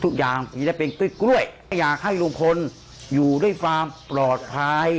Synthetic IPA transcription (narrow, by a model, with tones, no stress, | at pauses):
t̪ʰu˦˥k̚jaː˨˩ŋiː˧˦da˥˩jpe˧nku˥˩˨jkɾu˥˩əjjːaː˨˩k̚ha˥˩jlu˧ŋpʰo˧n | juː˨˩du˥˩əjkʰwaː˧mpɾɔː˨˩t̪̚pʰa˧j